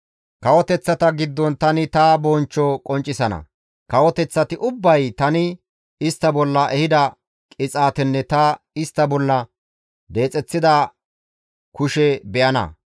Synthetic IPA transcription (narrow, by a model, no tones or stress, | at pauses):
kɐwɔt̪ɛt͡sːɐt̪ɐɡɪd̪ːɔnt̪ɐnɪt̪ɐbɔnt͡ʃːɔkʼɔnt͡ʃʼːɪsɐnɐ̰ | kɐwɔt̪ɛt͡sːɐt̪ɪʔʊbːɐjt̪ɐnɪ | ɪst̪ːɐbɔlːɐʔɛhɪd̪ɐ | kʼɪt͡sʼaːt̪ɛnːɛt̪ɐ | ɪst̪ːɐbɔlːɐ | d̪e̞ːt͡sʼɛt͡sːɪd̪ɐ | kʊʃɛbɛʔɐnɐ̰